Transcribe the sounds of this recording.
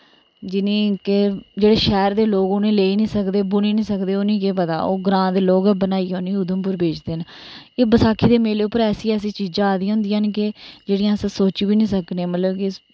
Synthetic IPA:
d͡ʒɪnĩːkɪd͡ʒeːɽeːʃɛːɾd̪eːloːkoːnẽːleːinĩːsəkd̪eːbʊniːnĩːsəkd̪eːoːnĩːk̬eːpət̪a̰ːo̰ːɡɾãːd̪eːloːɡbənaːiːɦoːniːʊd̪əmpʊɾbeːd͡ʒd̪eːn | eːbəsaːkʰːiːd̪eːmeːleːʊpːəɾɛːsiːɛːs̬iːt͡ʃiːd͡ʒãːaːd̪ĩːɦʊ̃nd̪ijãɦənk̬ɪd͡ʒeːɽijãːsəsoːt͡ʃiːbiːnĩːsəkneːmət̪ləbkɪ

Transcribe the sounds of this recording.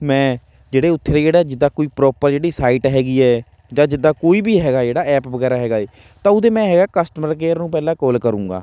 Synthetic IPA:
mɛ̃ː | d͡ʒeːɽeːʊt̪ʰːɾeːd͡ʒeːɽaːd͡ʒɪd̪ːaːkoːiːpɾɔːpəɾd͡ʒeːɽiːsaːiʈɦɛːɡiːɛː | d͡ʒãːd͡ʒɪd̪ːaːkoːiːbiːɦɛːɡaːd͡ʒeːɽaːɛːpʋəɡɛːɾaːɦɛːɡaːeː | t̪ãːʊd̪ẽːmɛ̃ːɦɛːɡaːkəsʈəməɾkeːɾnũːpɛːlãːkɔːlkəɾũːɡa̰ː

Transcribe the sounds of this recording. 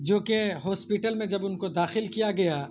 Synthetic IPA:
d͡ʒoːkeɦɔːspiʈəlmẽd͡ʒɐbʊnkod̪aːxɪlkijaɡɐjaː

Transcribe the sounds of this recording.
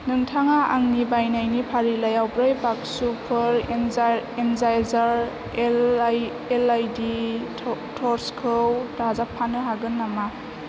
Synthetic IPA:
nɯŋtʰaŋaʔaŋnibajnajnipʰaɾilajawbɾɯjbak̚supʰɯɾ | enzajlzaɾ | elajdi | tʰɔɾskʰɯwdazapʰːanɯɦaɡɯnːama

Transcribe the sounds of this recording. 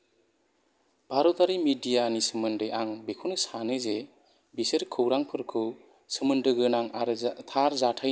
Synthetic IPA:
b̥aɾɔtaɾimidijanisɯmɯndɯjʔaŋbekʰuwnɯsanɯze | bisɯɾkʰɯwɾaŋpʰɯɾkʰɯw | sɯmɯndɯɡɯnaŋaɾtʰaɾzatʰaj

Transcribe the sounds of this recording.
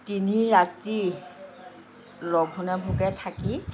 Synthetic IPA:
tiniɹati | lɔɡʱunabʱukɛtʰaki

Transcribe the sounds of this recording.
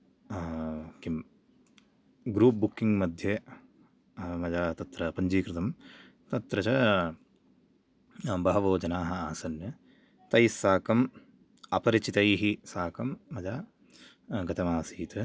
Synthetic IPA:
kim | ɡɾuːp̚bukːiŋɡmɐd̪ʱjɐ | mɐd͡ʒaːt̪ɐt̪ɾɐpɐɲd͡ʒiːkɾɪt̪ɐm | t̪ɐt̪ɾɐt͡ʃɐ | bɐɦɐʋoːd͡ʒɐnaːɦɐaːsɐnjɐ | t̪ɐjsaːkɐm | ɐpɐɾit͡ʃit̪ɐjɦisaːkɐmːɐd͡ʒaː | ɡɐt̪ɐmaːsiːt̪ʰɐ

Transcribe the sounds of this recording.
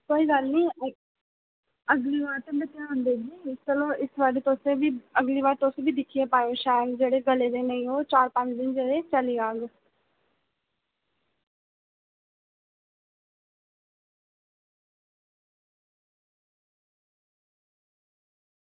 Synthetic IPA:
koːiːɡəɾnĩː | əɡliːʋaːɾt̪eːbɪt̪jãɦʊ̃nd̪eːd͡ʒiːɪst͡ʃəlõːɪsʋaːɾiːt̪osẽbiːəɡliːʋaːɾt̪oseːbʱiːd̪ɪkʰijeːpaːjoːʃaːjəd̪d͡ʒeːɽeːɡəleːd̪eːnəĩːɦoːt͡ʃaːɾpə̃ɲt͡ʃd̪ɪnd͡ʒeːɽeːt͡ʃəliːɡaːɡ

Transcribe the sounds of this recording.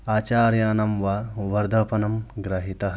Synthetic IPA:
aːt͡ʃaːɾjaːnɐmʋaʋɐɾd̪ʱɐpɐnɐmɡɾɐɦit̪ɐ

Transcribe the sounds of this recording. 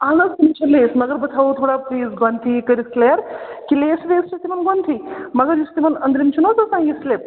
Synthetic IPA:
aːnɐzt̪imt͡ʃʰɐleːsmɐɡəɾbɐt̪ʰaʋot̪ʰoɽapliːzɡɐnt̪ʰikɐɾisleɾkileːsleːst͡ʃɐt̪imɐnɡont̪ʰimɐɡəɾjist̪imɐnɐnd̪ɾimt͡ʃʰunot͡sɐsãŋɡislep̚

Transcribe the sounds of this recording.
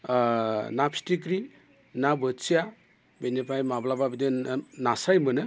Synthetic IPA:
napʰstik̬ɾi | nabəsija | benepʰajmablababidɯnasajmɯnɯ

